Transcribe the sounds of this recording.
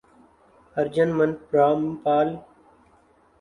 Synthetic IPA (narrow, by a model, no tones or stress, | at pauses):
əɾd͡ʒənmənpɾaːmpaːl